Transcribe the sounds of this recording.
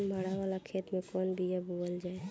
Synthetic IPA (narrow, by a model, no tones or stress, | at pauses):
maɽaʋaːlakʰeːt̪mẽkɔːnbʱijaboəld͡ʒaːe